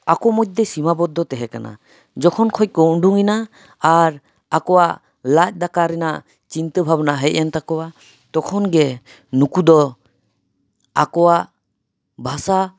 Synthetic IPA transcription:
akɔmɔjt̚d̪ɛsimabɔd̪ɔt̪ɛɦɛka̰na̰ | d͡ʒɔkʰɔnkʰɔj̚kɔuɳɖuŋinaː | ɾ | akɔwa | lac̪̚ˀd̪akaɾɛna | t͡ʃint̪əbʱabnaɦɛʔ̚ant̪akɔwa | t̪ɔkʰɔnɡɛ | nukud̪ɔ | akɔwaʔ | bʱasa

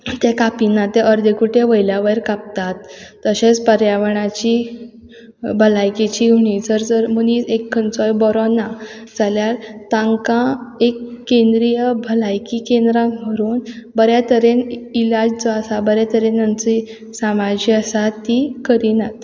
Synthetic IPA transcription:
t̪ekapinat̪eʔəɾd̪ʱekuʈʰeʋəjljaʋəɾkap̚t̪at̪ː | əɕẽt͡spəɾjaʋəɳat͡ɕi | bʱəlajkit͡ɕiɦuɳ̃it͡səɾd͡zəɾmənit͡sekʰːənt͡sɔjbɔɾɔnad͡zaljaɾt̪ãŋkãekːend̪ɾijəbʱəlajkikẽnd̪ɾãkm̤əɾuːnbəɾjat̪əɾenilad͡ʑt͡sɔəsabəɾjat̪əɾenant͡si | samad͡ʑiasat̪ːikəɾinat̪

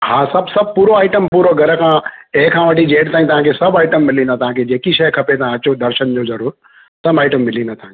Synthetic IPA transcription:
ɦãːsɐbsɐb̚puːɾoaːɪʈəmpuːɾoɡʱɐɾəkʰãːeːkʰãːʋɐʈid͡ʒeːʈt̪ãːĩt̪ɐʋ̤ãkʰesɐbaːɪʈəmːɪlĩnd̪at̪ɐɦãːkʰed͡ʑeːkiʃɐjkʰɐpet̪ɐãɐt͡ɕod̪ɐɾʃənd͡ʒozɐɾuːɾ | sɐmaːɪʈəmːɪlĩnat̪ɐɦãke

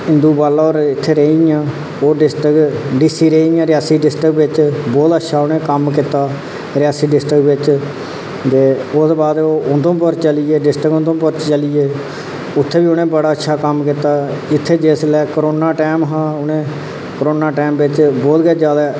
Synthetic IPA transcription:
ɪ̃nd̪uːbaːlaːoːɾɪt̪ʰːeːɾeːiãː | oːɖɪsʈəkɖiːsiːɾeːiãːɾɪjaːsiːɖɪsʈəkʋɪt͡ʃbɔːt̪ətːʃʰaːʊnẽːkəmkɪt̪aː | ɾɪjaːsiːɖɪsʈəkʋɪt͡ʃ | d͡ʒ̪eːʊsbaːd̪oːʊnd̪õːpəɾt͡ʃəliːeːɖɪsʈəknd̪õːpəɾt͡ʃt͡ʃəliːeː | ʊt̪ʰːeːbiːʊnẽːbəɽaːətːʃʰaːkəmkɪt̪aːɪt̪ʰːeːd͡ʒeːslɛːkəɾoːnaːʈɛːmɦãːʊnẽː | kəɾoːnaːʈɛːmʋɪt͡ʃbɔːt̪ɡɛːd͡ʒaːd̪ɛː

